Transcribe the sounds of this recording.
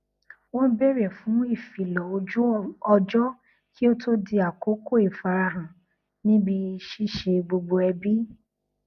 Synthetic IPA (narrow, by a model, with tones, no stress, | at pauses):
wɔ̃˦bɛ˦ɾɛ˨fũ˨˦i˦˨fi˨lɔ˨o˧d͡ʒu˦ɔ˧d͡ʒɔ˦ | kʰi˦o˦to˦di˧a˨ko˨˦ko˦i˨fa˨˧ɾa˧ɾã˨ | nĩ˦bi˧ʃi˦˨ʃe˧ɡ͡bo˧ɡ͡bo˧ɛ˧bi˦